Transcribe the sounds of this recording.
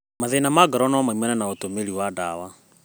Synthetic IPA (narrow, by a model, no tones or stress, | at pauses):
maðenamaɡaɾɔnɔamaimɛnanaotomeɾiwadawa